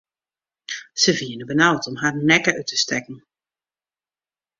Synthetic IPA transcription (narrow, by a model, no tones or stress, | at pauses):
səviənəbənawtɔmɦaːrnɛkəʔytəstɛkn̩